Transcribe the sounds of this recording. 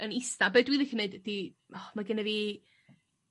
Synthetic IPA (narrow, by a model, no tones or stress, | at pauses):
ənɪstabedwiðɪxəneɨdd̥i | ɔmaɡɪnɛvi